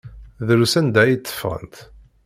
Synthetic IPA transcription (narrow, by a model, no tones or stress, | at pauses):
ðɾusænd̪æjit͡s̪ːə̥fːʁə̰nt̪